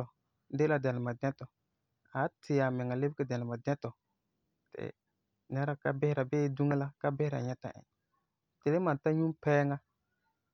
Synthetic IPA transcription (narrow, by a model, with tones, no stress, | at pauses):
ɔ˨ | de˦la˦dɛ˨lɪ˨ma˨dɛ˦tɔ˨ | a˨˦tʰɪ˨ja˨mɪ˨ŋa˨le˦bkɪ˦˨dɛ˨lɪ˨ma˨dɛ˦tɔ˨ | tɪ̰˨ | nɛ˦ɾa˦ka̰˦bɪ˦hɪ˦ɾa˨beː˦du˦ŋa˦la˦ka˦bɪ˦hɾa̰˨ɲɛ˦ta̰˨ʔɪ̰̃˨ | tɪ˨lɪ˦ma˨n˨ta˦ɲu˦mpɛː˦ŋa˦